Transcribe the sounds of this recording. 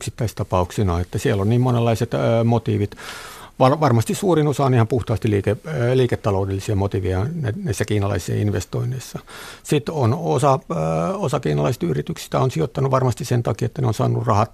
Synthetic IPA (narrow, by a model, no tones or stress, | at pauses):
yksit̪ːæist̪ɑpɑuksinɑːet̪ːæsielːonniːmmonelːɑiset̪mot̪iːʋit̪ʋɑrʋɑrmɑst̪issuːrinosɑːnihɑmpuht̪ɑːst̪iliːkeliːket̪ːɑloudelːisiɑmot̪iːʋijɑnænæisːækiːnɑlɑ̰isḛːinʋest̪oineisːɑsit̪onosɑosɑkiːnɑlɑise̥t̪yrit̪yksi̥t̪æonsiot̪ːɑnuʋɑrmɑst̪issent̪ɑkiet̪ːæneonsɑ̰ːnṵrrɑhɑt̪